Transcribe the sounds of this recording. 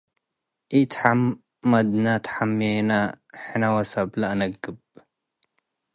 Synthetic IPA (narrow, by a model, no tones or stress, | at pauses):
ʔit̪ʰħamː | ɐd̪nat̪ʰħamːenaħɨnawɐsɐblaʔnɐɡːɨb̚